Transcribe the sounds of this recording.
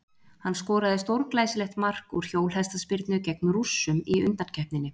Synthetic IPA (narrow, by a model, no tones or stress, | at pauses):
hanːskɔːɾaðɪst̪owɾklaːjsɪlɛxt̪mar̥kuɾ̥çoːwlɦɛst̪aspɪɾt̪nʏcɛk̚nʏrusːʏmiʏ̰nt̪ancʰɛhpnɪnːɪ